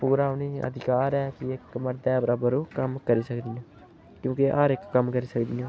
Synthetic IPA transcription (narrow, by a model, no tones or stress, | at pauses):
puːɾaːʊniːə̰d̪ʱɪkaːɾɛːkiɪkməɾd̪ɛːbəɾaːbəɾuːkəmkəɾiːsəkd̪iːõ | kjõːkeʔaːɾɪkːəmkəɾiːsəkd̪iõː